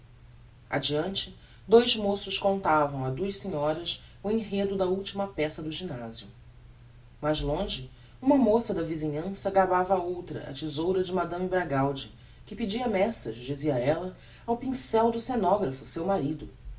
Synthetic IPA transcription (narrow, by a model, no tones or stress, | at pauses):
a̰d͡ʒiɐ̃nt͡ʃɪ | d̪ojzmosʊʃkõnt̪avɐ̃w̃ɐd̪uɐʃsĩɲɔɾɐs | ʊẽɦed̪ʊd̪ɐuwt͡ʃimɐpɛsɐd̪ʊʒinazijʊ | mazlõʒɪ | ũmɐmosɐd̪ɐvizĩɲɐ̃sɐɡabavɐowt̪ɾɐ̰ʔɐ̰t͡ʃizowɾɐd͡ʒɪmad̪ɐ̃mɪbɾaɡawd͡ʒɪ | kɪpɪd͡ʒiɐmɛsɐʃd͡ʒiziɐɛlɐ | awpĩsɛwd̪ʊsenɔɡɾɐfʊsewmaɾid̪ʊ